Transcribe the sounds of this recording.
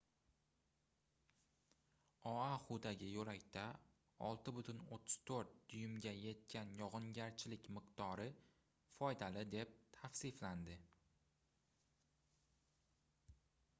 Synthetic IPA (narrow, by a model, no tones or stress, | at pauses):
ɒaχʊd̪aɡʲɪjʊɾakʲt̪ʰa | ɒ̰lˠt̪ɪbʊt̪ʰʊnot̪ʰːʊ̥z̥t̪ʰoɾt̪̚d̪̥ʊjʊmɡʲaje̞t̪̚kʲʰanjɒʁɨŋɡʲaɾt͡ʃʰɪlɪkʲmɨqd̪ɒɾɪ | fɒjd̪alɪd̪e̞p̚t̪ʰafsɪfland̪ɪ